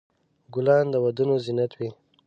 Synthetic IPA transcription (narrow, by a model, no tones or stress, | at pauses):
ɡʊlɑnd̪əwad̪unozinat̪wi